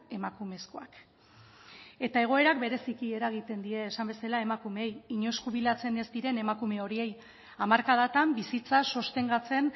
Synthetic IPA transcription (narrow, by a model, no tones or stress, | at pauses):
e̞makume̞skoak | e̞t̪ae̞ɣ̞o̞e̞ɾakbe̞ɾe̞sikie̞ɾaɣ̞it̪e̞nd̪ie̞ːsambe̞salae̞makumeejiɲo̞skuβ̞ilat͡se̞nezd̪iɾe̞ne̞makume̞o̞ɾie̞j | amaɾkaðat̪ambisit͡saso̞st̪e̞ŋɡat͡se̞n